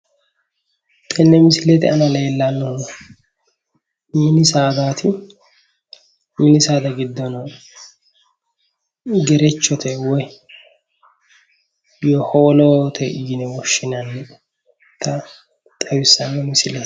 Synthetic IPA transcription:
t̪ʼɛnːɛmɪsɪlɛt̪ɪɐnɐlɛɛlːanːɔn | mɪnɪsaːd̪aːt̪ʰɪ | mɪnɪsaːd̪ɐɡɪd̪ːɔnɐ | ɡɛɾɛt͡ʃːɔt̪ʰɛwɔj | jɔhoːlot̪ʰɛʔɪjɪnɛwɔʃːɪnɐnːɛ | t̪ʰːɐ | t̪ʼɐwɪsːɐnːɛmɪsɪlɛ

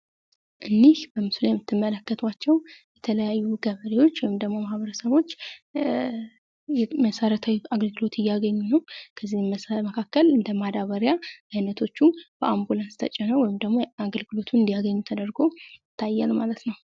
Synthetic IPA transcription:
ʔɨnːihbəmɨsljɛmːɨt̪ːɨmːələkːət̪ʰwat͡ʃːɛwjɛt̪ʰələjajːuɡəβəlewo̞t͡ʃːwɔjɪmd̪əɡmo̞mahβəɾəsəβo̞t͡ʃː | jɛməsəɾət̪ʰawiaɡəlɡɨlo̞t̪ʰɨjːaɡəɲːunəwkʰəzːihməkʰakːəlɨnd̪əmad̪aβəɾjaajnət̪ʰo̞t͡ʃːub̥əʔambulanst̪ʰə̰t͡ʃʼːɛnəwɔjɪmd̪əɡmo̞aɡəlɡɨlo̞t̪ʰuɨnd̪ijaɡəɲːut̪ʰəd̪əɾɡo̞jɪt̪ʰːajːalmalət̪nəw

